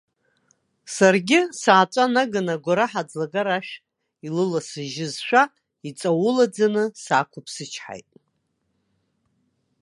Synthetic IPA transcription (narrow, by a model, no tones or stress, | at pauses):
sarɡʲɪsaːt͡sʷʼanaɡanaɡʷaɾaħad͡zlaɡaɾaʃᶣ | ilɨlasɨʒɪzʃʷᶣa | it͡sʼawʊlad͡zanɨsa̰ːkʷʰʊpʰsɨt͡ʃʰħa̰jtʼ